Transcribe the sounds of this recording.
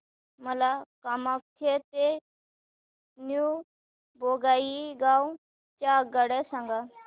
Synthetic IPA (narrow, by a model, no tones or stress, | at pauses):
məlakamak̚t̪ʰet̪e | nju | boɡaiɡaw | t͡ʃaɡəɽɛsãŋɡa